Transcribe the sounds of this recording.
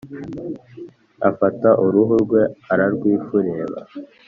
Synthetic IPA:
afataʔuɾuɦuɾɡwe̞aɾaɾɡwiːfuɾeβa̰

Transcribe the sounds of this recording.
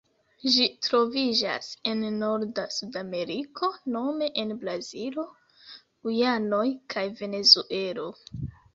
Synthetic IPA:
ʒitɾo̞vid͡ʒa̰se̞nːo̞ɾdasudame̞ɾikʰo̞no̞me̞ʔenblazilo̞ | ujano̞jkʰajve̞ne̞zuʔe̞lo̞

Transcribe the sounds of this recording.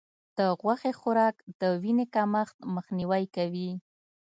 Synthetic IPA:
d̪̥əɣwaxexʊɾɑkd̪əwinekɑmaxt̪məxniwajkawi

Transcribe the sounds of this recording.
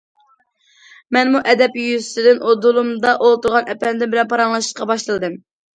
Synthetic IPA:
mɛnmuʔɛd̪ɛpjyzsɪd̪ɪnʔod̪ulˠumd̪ɑʔolˠt̪uɾʁɑnʔɛpɛnd̪ɪnbɪlɛnpʰɑɾɑŋlˠɑʃɨ̥ʃqɑbɑʃlˠɨlˠɨd̪ɨm

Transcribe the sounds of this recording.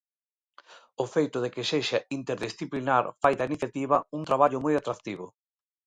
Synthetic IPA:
ofejt̪ʊð̞ekɪseʃaint̪eɾðisθiplinaɾfajt̪ainiθjat̪iβɐunt̪ɾaβaʎʊmojat̪ɾakt̪iβ̞ʊ̰

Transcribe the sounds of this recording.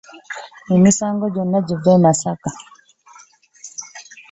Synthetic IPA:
ninisaŋɡɔd͡ʒɔnːad͡ʒuvɛnasaka

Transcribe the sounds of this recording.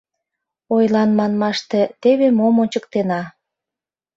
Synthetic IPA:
ojlɑnmɑnmɑʃt̪et̪eβemomonʲt͡ɕəkt̪enɑ

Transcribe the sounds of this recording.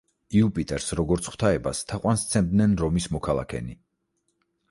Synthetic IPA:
iupʼit̪ʼɛɾsɾɔɡɔɾt̪sʰχw̥t̪ʰaɛbast̪ʰaqʼwanst̪sʰɛmd̪nɛnɾɔmismɔkʰalˠa̰kʰɛ̰ni

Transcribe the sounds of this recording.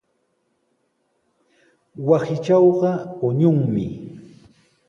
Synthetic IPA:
wasɪt͡ʃɑwɢɑʊɲʊŋmɪ̰

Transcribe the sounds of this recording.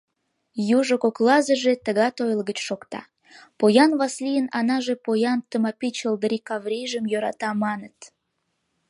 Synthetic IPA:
juʒokoklˠɑzəʒet̪əɣɑt̪ojəlɣət͡ɕʃokt̪ɑ̰ | pojɑnvɑslijənɑnɑʒepojɑnt̪əmɑpit͡ɕəld̪ɾikɑvɾʲiʒəmjøɾɑt̪ɑmɑnət̪

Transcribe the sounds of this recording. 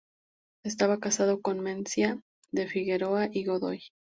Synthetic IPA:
est̪aβakasaðo̞ko̞nmensja | ðe̞fiɣe̞ɾo̞aʔiɣo̞ðo̞̰j

